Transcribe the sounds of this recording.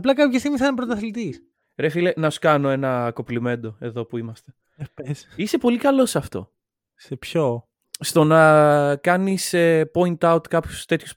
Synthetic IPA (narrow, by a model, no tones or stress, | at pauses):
ɐplɐkɐpçɐst̪imisɐnpɾot̪ɐθlit̪is | ɾefilenɐsu̥kɐno̞e̞nɐko̞plime̞nd̪o̞e̞ðo̞puimɐst̪e | pesisepo̞likɐlo̞sɐft̪o̞̰ | sepço | st̪o̞nɐkɐnisepo̞int̪ɐut̪kɐpçu̥st̪e̞t̪çu̥s